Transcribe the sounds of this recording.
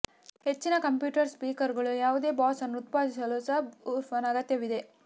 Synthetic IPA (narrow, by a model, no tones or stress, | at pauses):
he̞t͡ʃːinɐkɐmpjuːʈɐɾspiːkɐɾɡɐɭujaːʋud̪e̞ːbaːsɐnːut̪̚paːd̪isɐlusɐɦuɾʋɐnɐɐɡɐt̪jɐʋid̪e̞